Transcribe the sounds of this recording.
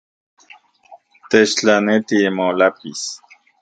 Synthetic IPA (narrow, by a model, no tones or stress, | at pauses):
t̪et͡ʃt͡ɬanet̪imolapis